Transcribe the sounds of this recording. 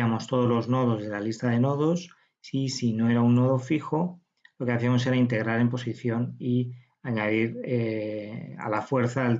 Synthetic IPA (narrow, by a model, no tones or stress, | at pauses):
amo̞st̪o̞ð̞o̞zlo̞zno̞ð̞o̞zð̞e̞lalist̪aðe̞no̞ð̞o̞s | isino̞e̞ɾaunːo̞ðo̞fixo̞ | lo̞ke̞aθiamo̞s̬e̞ɾaint̪e̞ɣ̞ɾaɾe̞mpo̞siθjo̞ni | aɲaðiɾe | a̰lafwe̞ɾθael